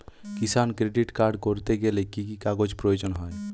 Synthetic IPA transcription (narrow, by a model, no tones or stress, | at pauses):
kisankɾeɖiʈkaɾɖkoɾt̪eɡelekikikaɡod͡ʒpɾɔjod͡ʒɔnɦɔj